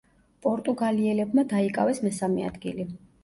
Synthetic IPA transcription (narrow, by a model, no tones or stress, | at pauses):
pʼɔɾt̪ʼuɡaliɛlɛbmad̪aikʼa̰vɛsmɛsamɛa̰d̪ɡḭli